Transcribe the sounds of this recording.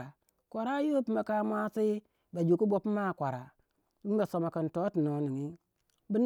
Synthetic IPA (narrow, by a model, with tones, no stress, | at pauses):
a˨ | kʷa˨ɾa˦jo˦pi˦ma˨ka˦mʷ˦a˦si˦ | ba˨d͡ʒu˨ku˦bo˦pma˦˨kʷa˨ɾa˨ | bi˦m˦ba˨so˨ma˨ki˨n˨to˦ti˨no˨ni˨ŋi˦ | bi˦n